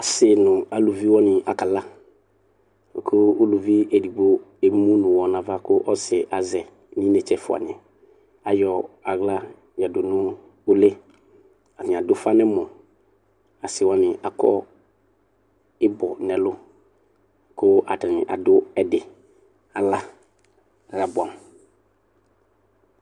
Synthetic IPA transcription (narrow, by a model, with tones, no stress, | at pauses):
a˨sɪ˨nʊ̃˨a˨lu˨vi˦wɔ˦nɪ˨ʔa˨ka˨la˦˨ | kʰʊ˦o˦lu˨vi˦ʔe˨di˨ɡ͡bo˦e˨mũ˦nʊ̃˨wɔ˨nã˨va˦kʊ˦ʔɔ˦sɪ˨ʔa˨zɛ˨ | nĩ˦nɛ˨t͡ʃɛ˦fʊ˨a̰˨n˨ɛ˨ | a˨jɔ˨a˨ɡla˦ | jɛ˨dʊ˨nʊ̃˦ | ʊ˦le˦ | a˨nɪ̃˨a˨dʊ˦fa˦nɛ̃˦mʊ̃˨ | a˨sɪ˨wa˨nɪ̃˨ʔa˨kɔ̰˦ | ɪ˦bɔ˨nɛ̃˨lʊ˦ | kʊ˦ʔa̰˨ta˨nɪ̃˨ʔa̰˨dʊ˦ɛ˨dɪ˨ | a˨la˦ | ɾa˨bʊ˨a˨m˨